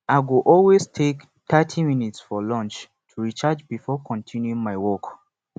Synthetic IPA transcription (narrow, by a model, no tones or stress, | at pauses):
aɪɡuʔɔlweztʰek | tatʰiminitsfɔlɔ̃nt͡ʃ | tʰuɹit͡ʃad͡ʒbifɔkʰɔ̃ntʰĩnjuĩŋmaɪwɔk